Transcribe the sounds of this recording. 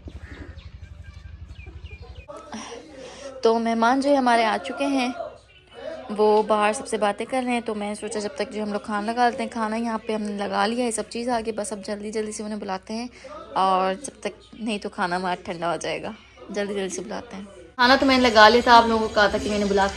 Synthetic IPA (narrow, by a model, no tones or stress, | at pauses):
t̪oːmɛɦmaːnd͡ʒoːɦɛɦɐmaːɾeaːt͡ʃʊkeɦɛ̃ː | ʋoːbaːɦəɾsɐbsebaːt̪ẽkɐɾneɦɛ̃t̪omɛ̃ːnesoːt͡ʃad͡ʒɐb̚t̪ɐk̚d͡ʒoːɦɐmloːɡ̚kʰaːnalɐɡaːlt̪eɦɛ̃kʰaːnajɐɦãpeɦɐmnelɐɡa̰ːlijaesɐb̚t͡ʃiːzaːɡeibɐsɐb̚d͡ʒɐld̪id͡ʒɐld̪iseʊnɦẽbʊlaːt̪eɦɛ̃ːɔːɾd͡ʒɐb̚t̪ɐk̚nɐɦĩt̪okʰaːnamaːʈʰɐ̃ɳɖaoːd͡ʒaːḛːɡaː | d͡ʒɐld̪id͡ʒɐld̪isebʊla̰ːt̪eɦɛ̃ːkʰaːnat̪omɛ̃ːnelɐɡaːliat̪ʰaaːploːɡõkokɐɦat̪akimɛːnẽbʊlaːk